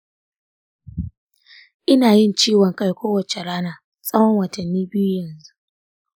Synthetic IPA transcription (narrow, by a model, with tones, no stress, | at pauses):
ʔɪ˦naː˨jɪ˦nt͡ʃiː˦wɐ˨ŋka˦˨jkʷoː˦wɐ˨t͡ʃe˨ɽaː˦naː˨ | sʼɐ˦wɐ˦ŋwɐ˨tɐ˨nːiː˦bɪ˦ju˦jɐ˨nzu˦ʔ